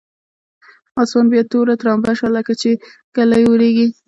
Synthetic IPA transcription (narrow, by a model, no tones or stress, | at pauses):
ɑswɑnbjɑt̪oɾat̪ɾɑmbaʃwaləkat͡ʃekalajwəɾeɡi